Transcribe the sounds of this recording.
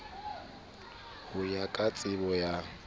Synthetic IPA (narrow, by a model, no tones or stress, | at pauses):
hʊjakʼat͡sʼɪbɔja